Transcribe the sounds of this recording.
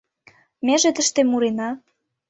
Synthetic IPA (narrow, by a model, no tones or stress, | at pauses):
mʲeʒet̪ə̆ʃt̪emuɾenɑ